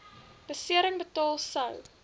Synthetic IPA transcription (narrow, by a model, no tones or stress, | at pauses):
b̥əsiəɾəŋbətɑːlˠsɐw